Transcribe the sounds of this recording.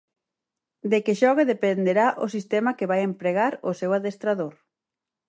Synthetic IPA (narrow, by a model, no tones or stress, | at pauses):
d̪ekeʃɔɣeðepend̪eɾaʔʊsist̪ɛmɐkeβajempɾeɣaɾʊsewaðest̪ɾaðoɾ